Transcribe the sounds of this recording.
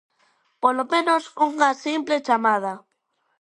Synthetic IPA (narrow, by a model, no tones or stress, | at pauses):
polomẽnosuŋasimplet͡ʃamað̞a